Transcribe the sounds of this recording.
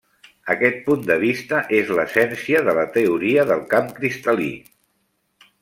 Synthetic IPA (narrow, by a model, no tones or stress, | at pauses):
əkɛt̪̚pund̪əβ̞ist̪əʔezləsɛnsiəðələt̪əuɾiəðəlˠkamkɾist̪əlḭ